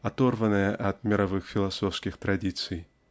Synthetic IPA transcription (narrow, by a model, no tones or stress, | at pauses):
at̪ɔrvɐnɐjɐʔɐd̪mʲɛɾavɨxfʲilˠasɔwskʲixt̪ɾad̪ʲit̪sɨj